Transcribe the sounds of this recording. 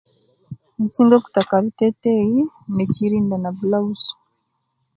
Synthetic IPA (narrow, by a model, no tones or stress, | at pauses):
nit͡siːŋɡoku̥takaβiteteji | neciɾiːndanaβulausu̥